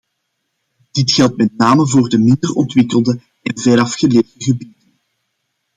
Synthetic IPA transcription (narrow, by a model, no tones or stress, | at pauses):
d̥ɪtxɛlˠtmɛt̚naːməvoːrdəmɪndərɔntʋɪkəlˠdə | ɛnvɛɾɑfxəleːvdəɣəbidən